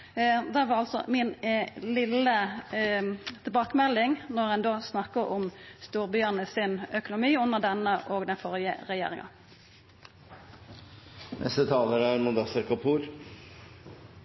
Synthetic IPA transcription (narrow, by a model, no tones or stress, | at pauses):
d̪æʋɑʁɑlsɔ̰mɪnlɪlə | t̪ʰɪlbɑːkəmɛlːɪŋnɔʁɛnd̪oːsnɑkːəʔʊmst̪uːʁbʏːənəsɪnœkʊnʊmiːʉnːəʁd̪ɛnːəʔoːɡd̪ɛnfɔʁjə̰ʁɛjḛːɾɪ̰ŋɑ̰ | nʔɛ̰st̪ət̪ʰɑːləɾəæɾmʊd̪ɑsɑɾkɑpʰuːɾ